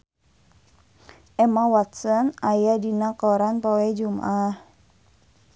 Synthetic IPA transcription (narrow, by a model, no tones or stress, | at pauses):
ʔɛmawat̪̚sɔnajadinakɔɾanpɔwed͡ʒuma̰ʔah